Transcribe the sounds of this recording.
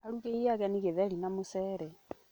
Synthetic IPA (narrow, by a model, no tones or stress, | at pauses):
aɾuɣeiaɣɛniɣeðɛɾinamosɛːɾɛ